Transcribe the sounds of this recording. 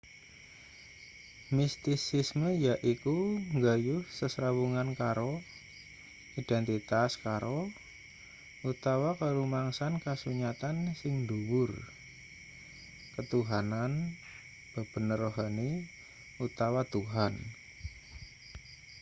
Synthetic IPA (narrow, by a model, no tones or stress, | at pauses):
mist̪isɪsməjaʔikuŋɡajʊhsəsɾawuŋankaɾo | id̥ɛnt̪it̪askaɾʔo | ut̪awakəɾumaŋsankasuɲat̪ansɪŋd̪uwʊr | kət̪uɦanan | b̥ə̤b̥ə̤nəɾɔɦane | ut̪awat̪uɦan